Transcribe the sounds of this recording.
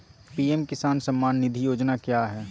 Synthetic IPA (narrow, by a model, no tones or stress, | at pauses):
piɛmkɪsaːnsɐmːaːnːɪd̪ʱijoːd͡ʒnakjaːɦɛː